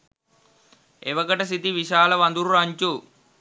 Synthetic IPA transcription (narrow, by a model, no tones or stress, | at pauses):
eʋɐkɐʈɐsit̪iʋiɕaːlɐʋɐnd̪uɾuɾɐɲt͡ʃu